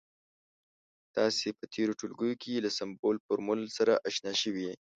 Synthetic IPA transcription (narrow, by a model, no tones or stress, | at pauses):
t̪ɑsepət̪ʰeɾoʈulɡəjokʰeelasambolpəɾmʊlsaɾaʔaʃnɑʃəwie